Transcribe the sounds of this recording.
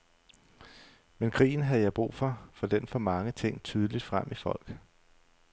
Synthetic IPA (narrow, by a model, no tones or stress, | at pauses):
menkʰʁḭːn̩ɦæðˠjɑ̈ɪb̥ʁṵːfɒ̽fɒ̽d̥enfɒ̽mɑ̈ŋət͡sʰe̝ŋ̰t͡sʰyːð̞ˠəlid̥fʁam̰ʔifɒ̽l̰ɡ̥